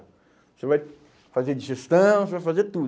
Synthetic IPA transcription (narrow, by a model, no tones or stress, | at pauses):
sevaj | fazed͡ʒiʒest̪ɐ̃w̃sevajfazet̪ud̪